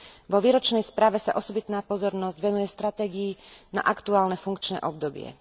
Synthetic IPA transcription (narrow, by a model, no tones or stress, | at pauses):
ʋɔʋiːɾɔt͡ʃnɛjspɾaːʋɛsa̰ʔɔsɔbit̪naːpɔzɔɾnɔzɟʋɛnujɛst̪ɾat̪ɛːɡiːna̰ʔakt̪uaːlnɛfuŋkt͡ʃnɛ̰ʔɔb̚d̪ɔbɪɛ̰